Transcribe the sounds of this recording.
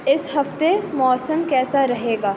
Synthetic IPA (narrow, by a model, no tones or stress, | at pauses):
ɪsɦɐft̪emɔːsəmkɛːsaɾɐɦeːɡaː